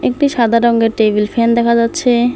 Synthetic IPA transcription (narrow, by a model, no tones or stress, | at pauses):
ek̚ʈiʃad̪ʱaɾɔŋɡeɾʈebilfend̪ɛkʰad͡ʑatːɕʰe